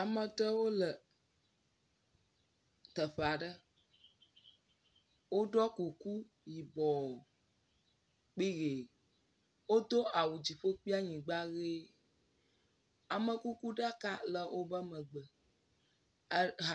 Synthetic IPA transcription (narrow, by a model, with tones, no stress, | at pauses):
a˨mə̃˨t̪ə˦wo˦lə˨ | t̪ə˨ɸe˨a˨ɖə˦ | wo˦ɖɔ˦ku˨ku˦ | ji˨bɔ˨ | k͡pi˦ɣe˨ | wo˦d̪o˦a˨wu˨d͡ʑi˨ɸo˦k͡pi˦a˦ɲĩ˨ɡ͡ba˦ɣe˦ | a˨mə̃˨ku˦ku˦ɖa˦ka˦lə˨wʔo˦bə˦mə̃˨ɡ͡bə˨˦ | ɦ